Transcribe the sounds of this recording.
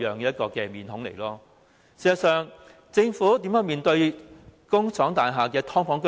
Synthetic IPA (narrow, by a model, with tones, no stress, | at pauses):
jœː˨˩ŋkɛ˧jɐ˥t̚kɔː˧kɛː˧miː˨˧nhʊ˨˥ŋlḛ˨˩jlɔː˥ | siː˨˩sɐ˨˩sœː˨ŋ | t͡sɪ˧ŋfuː˨˥t̪iː˨˥mjœː˨˥ŋmiː˨nt̪ɵ˧ɥkʊ˥ŋt͡sʰɔː˨˥ŋt̪aː˨nɦaː˨kɛː˧t̪ʰɔː˥ŋfɔː˨˥ŋkɵ˥